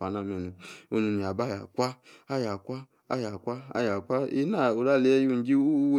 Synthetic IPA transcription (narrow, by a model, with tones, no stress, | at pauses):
a˨˦na˦˨m˨o˨nu˨o˧nu˨mi˨a˨ba˦ja˨kʷa˦a˦ja˨kʷa˦ | a˦ja˨kʷa˦a̰˦ja˨kʷa˦ḛ˦na˦˨o˨ɾa˦˨le˨˦ju˦˨n̩˦d͡ʒi˦u˦w